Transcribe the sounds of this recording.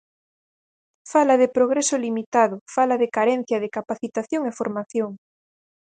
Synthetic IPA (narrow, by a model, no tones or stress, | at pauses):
falɐðɪpɾoɣ̞ɾesʊlimit̪aðʊfalaðɪkaɾɛn̟θjɐðɪkapaθit̪aθjoŋefoɾmaθjoŋ